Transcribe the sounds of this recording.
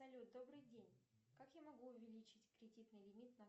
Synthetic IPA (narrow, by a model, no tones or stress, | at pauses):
sɐlʲut̪̚d̪o̞bɾɨjdʲenʲkakjamɐɡuʊvʲɪlʲit͡ɕɪtʲkɾʲɪdʲit̪nɨjlʲɪmʲit̪nɐ